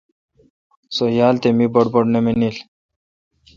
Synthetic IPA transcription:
sojaːlt̪emibɐɽboɽnemenil

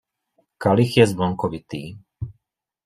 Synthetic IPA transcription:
kalixjɛzblɔŋkɔʋit̪iː

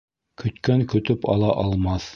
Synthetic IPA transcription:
kʰɵ̆t̪kæŋkɵ̆t̪ɵpɑ̰lˠɑʔɑlˠmɑθ

